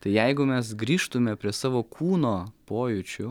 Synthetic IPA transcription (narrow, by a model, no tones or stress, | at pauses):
t̪ɐɪjɛɪɡʊmʲɛsɡɾʲiːʃt̪ʊmʲɛpʲɾʲiɛsɑːʋoːkʰuːnoːpoːjʊt͡ʃʲʊ